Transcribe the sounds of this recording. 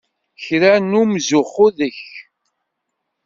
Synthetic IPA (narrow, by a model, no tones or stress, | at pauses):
çɾænumzʊχʊðəç